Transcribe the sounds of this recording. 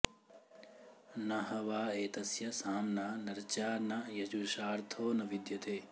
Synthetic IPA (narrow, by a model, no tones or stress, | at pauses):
nɐɦɐʋaːeːt̪ɐsjɐsaːmnaːnɐɾt͡ʃaːnɐjɐd͡ʒuʃaːɾt̪ʰoːnɐʋid̪jɐt̪eː